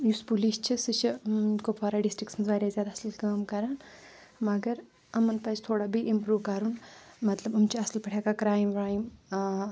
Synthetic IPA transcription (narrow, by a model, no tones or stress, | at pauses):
juspuliːst͡ʃʰisɨt͡ʃʰikopʰaːɾaːɖisʈɾiksɐnsʋaːɾʲaːzʲjaːd̪aɐsɐlkəːmkɐɾaːn | mɐɡɐɾ | ɐmɐnpɐt͡ʃt̪ʰoːɽabiʔimpɾuːʋkɐɾunmɐt̪lɐbɐmt͡ʃʰiɐslpɐʈʰjaːkakɾaːjmɾaːjim